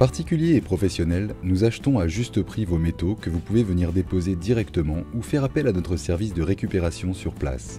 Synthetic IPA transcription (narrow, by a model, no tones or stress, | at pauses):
paʁt̪ikʲyljeːpχɔfɛsjɔnɛlnuzaʃt̪ɔ̃aʒyst̪əpχivomet̪okəvupuvevəniʁd̪epozed̪iʁɛkt̪əmɑ̃ufɛʁapɛlanɔt̪χəsɛʁvisd̪əʁekʲypeʁasjɔ̃syʁpla̰s